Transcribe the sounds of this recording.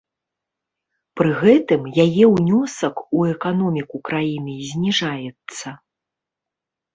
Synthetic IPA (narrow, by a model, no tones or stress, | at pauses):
pɾɨɣɛt̪ɨmjajɛwnʲɔsɐkuɛkanɔmʲikukɾajinɨzʲnʲiʐajɛt̪sːɐ